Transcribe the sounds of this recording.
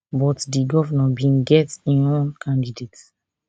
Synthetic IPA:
bɔtdiɡɔvənãbĩnɡɛtĩnõnkʰãndidet

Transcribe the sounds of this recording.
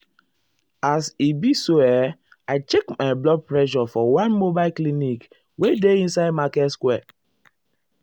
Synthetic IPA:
asibisoɛ | aɪt͡ʃekmaɪblɔɡ̚pɹɛʃ̬ɔfɔwãnmobaɪlklinik | wedeĩnsaɪd̚makɛtskwɛ

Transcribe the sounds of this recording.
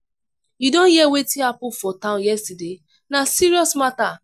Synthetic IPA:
jidɔ̃njiɛwetĩapũfɔtãʊ̃njɛstide | nasiɹiɔsmata

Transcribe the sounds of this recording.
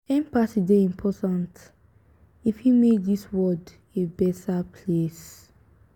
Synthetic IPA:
ɛ̃mpasideĩmpʰɔtãnt | ifhimeðiswɔd | ebɛtapʰles

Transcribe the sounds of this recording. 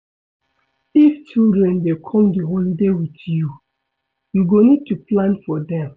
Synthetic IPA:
ift͡ʃildɹɛ̃ndekʰɔ̃mdiɦolidewitju | juɡonid̚tuplãnfɔdɛ̃m

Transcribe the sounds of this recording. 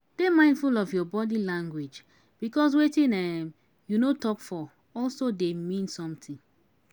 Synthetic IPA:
d̥emãɪ̃ndfulɔfjɔbɔdilãŋɡwed͡ʒ | b̥ikɔs̬wetĩnɛm | junotɔpfɔ | ɔlsodemĩnsɔ̃mtʰĩŋ

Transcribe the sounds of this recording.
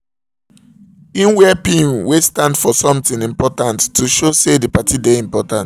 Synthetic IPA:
ĩnwɛpĩnwestãndfɔsɔ̃mtĩnĩmpɔtãntːuʃosedipatʰideĩmpɔtãnt

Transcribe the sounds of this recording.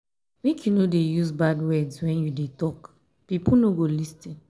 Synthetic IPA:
mekʰjunodejuzbadwɛdswɛ̃njudetɔk | pipunoɡolistĩn

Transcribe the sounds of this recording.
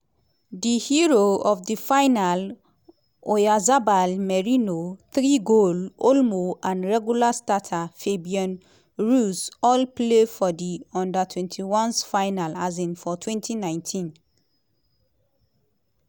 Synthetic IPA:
dihiɹoɔfdifaɪnal | ojazabalmɛɹinoθɹiɡololmoʔãnɹɛɡjulastatʰafebiɔ̃n | ɹusɔlplefɔdiɔ̃ndatʰwɛ̃ntʰiwɔ̃nsfajnalazĩnfɔtʰwɛ̃ntʰinãɪ̃ntʰĩn

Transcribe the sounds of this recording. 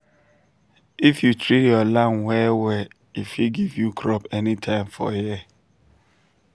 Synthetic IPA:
ifjutɹijɔlãnwɛwɛ | ifiɡivjukʰɾɔpɛnitʰãɪ̃mfɔ̰jɛ

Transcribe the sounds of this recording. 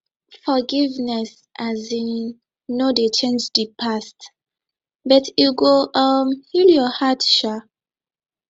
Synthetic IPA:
fɔɡivnɛs | ʔazi | nodet͡ʃẽnd͡ʒdipʰast | bʌtʰuɡoʔʌmhiljɔhatʃa

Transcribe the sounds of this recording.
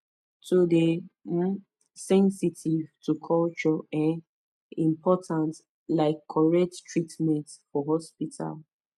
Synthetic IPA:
tode | sɛ̃nsitʰivtʰukʰɔlt͡ʃɔɛ̃n | ĩmpʰɔtʰãnt | laɪkʰːɔɹɛk̚ttʰɹitmɛ̃ntfɔɦɔspitʰa̰l

